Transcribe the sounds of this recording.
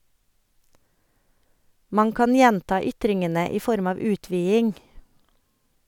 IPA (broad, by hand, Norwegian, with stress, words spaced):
ˈmɑn ˈkɑn ˈjɛntɑː ˈʏtɾɪŋənə ˈiː ˈfɔɾm ˈɑːʋ ˈʉːtʋiːɪŋ